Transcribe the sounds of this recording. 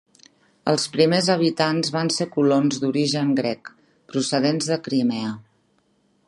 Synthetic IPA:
ə̰lˠspɾimezəβ̞it̪anzβansekulonzd̪uɾiʒəŋɡɾɛk | pɾusəðenzðəkɾimɛə

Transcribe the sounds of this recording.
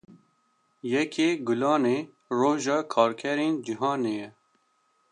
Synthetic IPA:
jɛkʰeːɡʊlɑːneː | roːʒɑːkʰɑːɾkʰɛɾeːnd͡ʒiɦɑːneːjɛ

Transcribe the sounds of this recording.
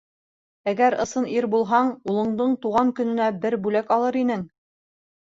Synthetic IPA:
æɡæɾɤ̆sɤniɾbulˠɦɑɴulˠɤ̆ɴd̪ɤɴt̪uʁɑŋkɵ̆nɘ̆næbɘɾbʉlækɑlˠɤɾinɘŋ

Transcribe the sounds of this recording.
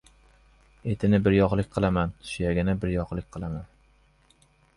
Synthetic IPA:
et̪ʰɪnɪbɪɾjɒqlˠɪkʲqʰɨlˠamanʃʊjaɡʲɪnɪbɪɾjɒqlˠɪkʲqʰɨlˠaman

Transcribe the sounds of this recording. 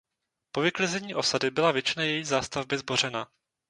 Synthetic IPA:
po̞vɪklɪzɛɲiːʔo̞sadɪbɪlavjɛt͡ʃɪnajɛjiːzaːst̪avbɪzbo̞r̝ɛna

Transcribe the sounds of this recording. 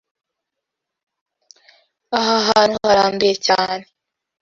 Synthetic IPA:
aɦaɦaːnhuuhaɾaːmbijecaːne

